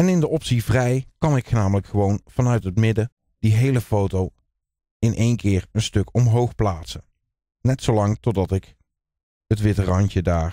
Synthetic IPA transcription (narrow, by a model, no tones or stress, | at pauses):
ɛnɪndəʔɔpsivrɛjkɑnɪkχənaːmələkχəʋownv̥ɑnœɥtɦətmɪdə | d̥iɦejləfowtow | ɪnʔejnkɪːɹənstɵkɔmɦowχplaːtsə | nɛtsowlɑŋtɔdɑtɪk | ɦətʋɪtərɑntədaːɹ